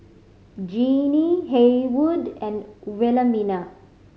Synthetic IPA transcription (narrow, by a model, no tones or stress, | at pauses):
d͡ʒiːniɦewuɖɛ̃nʋɛləmina